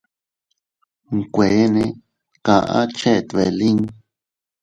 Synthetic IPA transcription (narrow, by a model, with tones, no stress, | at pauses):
ŋ˨kʷe˨˦nẽ˧ | kã˧ʔã̰˦t͡ʃe˦ʔt̪βe˨˧lĩ˦ŋ